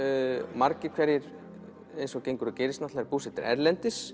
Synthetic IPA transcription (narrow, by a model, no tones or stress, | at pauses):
maɾcɪ̥kʰvɛɾjɪɾ | ejnsɔcejŋkʏɾʏcejɾɪsnat̪laɾɪpuːsɛt̪ɪɾɛ̰ɾlɛnt̪ɪs